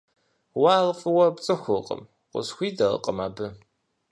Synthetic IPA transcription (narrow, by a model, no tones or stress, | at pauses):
waːʁfʼɨwɐpt͡sʼɨxʷʊqʼə̰m | qʷʊ̰sxʷiːdɐʁə̰qʼəma̰ːbɨ